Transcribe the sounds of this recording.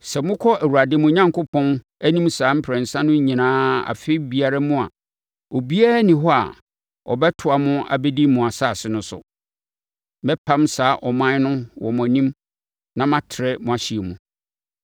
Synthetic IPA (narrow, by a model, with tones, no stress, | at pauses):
sɛ˨mʊ̃˦kʰɔ˦ʔæ˨wu˨a˨dɪ˦mʊ̃˦ɲã˦ŋkʊ˦pʰɔ̃˦n | æ˦nĩ˦msaː˨˦m̩˦pʰɾɛ̃˨n˨sã˦nʊ̃˦ɲĩ˨nãː˦a̰˨fe˦i˦bi˨a˨ɾa˦mʊ̃˦a̰˨ | ɔ˨bi˦a˦ɾnĩ˨ɦɔ˦a̰˨ | ɔ̰˨bɛ˦tʰʊ˨a˨mʊ̃˦a̰˨be˦di˦mʊ̃˨a˨saː˦˨sɪ˦nʊ̃˦sʊ̰˨ | mɛ˦pʰã˦msaː˨˦ʔɔ˨mã˦nʊ̃˦wɔ̰˨mʊ̃˨a˨nĩ˦m | nã˨mã˦tʰɪ˨ɾɛ˦mʊ̃˨a˨ɕi˨e˨mũ˨